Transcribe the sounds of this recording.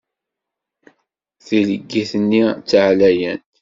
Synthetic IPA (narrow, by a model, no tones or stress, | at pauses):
θiləɡːiθənːit͡sːʕlæjənt̪